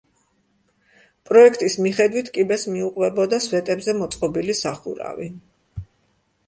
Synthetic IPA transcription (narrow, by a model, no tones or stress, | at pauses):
pʼɾɔɛkʰt̪ʼismiχɛd̪wit̪ʰkʼibɛsmiuqʼwɛbɔd̪asvɛt̪ʼɛbzɛmɔt̪sʼqʼɔbilisaχṵɾa̰vi